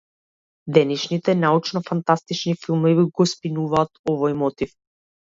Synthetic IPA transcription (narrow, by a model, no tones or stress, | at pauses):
d̪ɛnɛʃnit̪ɛnaut͡ʃnɔfant̪ast̪it͡ʃnifilˠmɔviɡɔspinuvaːt̪ɔvɔjmɔt̪if